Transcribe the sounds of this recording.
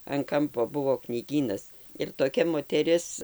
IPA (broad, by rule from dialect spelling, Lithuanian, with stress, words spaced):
ɐn ˈkɐmpoː ˈbʊʋoː knʲiːˈɡʲiːnɐs ɪr toːˈkʲɛ moːtʲɛˈrʲɪs